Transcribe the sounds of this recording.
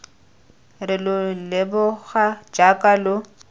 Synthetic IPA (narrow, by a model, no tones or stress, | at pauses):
rɪlʊlɪbʊɣad͡ʒakʼalʊ